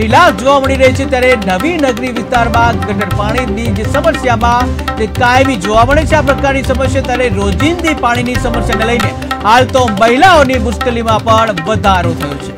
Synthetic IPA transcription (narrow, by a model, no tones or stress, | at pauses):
ilasd͡ʒoʋaməɽiɾəɦit͡ʃʰet̪jaɾenəʋinəɡɾiʋɪst̪aɾmãɡʱəʈəʈpaɽ̃inid͡ʒesəməsjamãt̪ekaeʋid͡ʒoʋaməɭet͡ʃʰeapɾəkaɾnisəməsjat̪jaɾeɾod͡ʒind̪ipaɽ̃inisəməsjaneləine | ɦalt̪oməɦilaonimʊskəlimãpəɳʋəd̪ʱaɾot̪ʰəjot͡ʃʰe